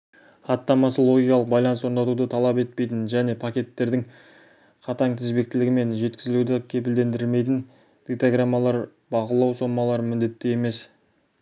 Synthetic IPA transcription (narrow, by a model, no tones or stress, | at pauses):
χɑt̪ːɑmɑsəlˠoɡʲijkɑlˠəq̚bɑjlˠɑnəswo̞ɾnd̪ɑt̪ud̪ət̪ʰɑlˠɑpe̞t̪̚pe̞jt̪ɪnʒæne̞pʰakʲe̞t̪ːe̞ɾd̪ɪŋ | qʰɑt̪ɑŋt̪ʰɪzbe̞k̚t̪ɪlɪɡʲɪme̞nʒe̞t̪kʲɪzɪlud̪ɪkʲʰe̞p̬ɪld̪e̞nd̪ɾme̞jt̪̬ɪn | d̪̥it̪aɡramːɑlˠɑɾ | bɑʁəlˠɑwso̞mɑlˠɑɾəmɪnd̪e̞t̪ːeje̞me̞s